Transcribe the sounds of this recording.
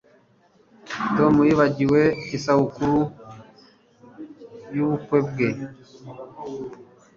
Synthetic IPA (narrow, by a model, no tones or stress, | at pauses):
tomujiβaɟiweisahukuɾu | juβukweb̚ɡe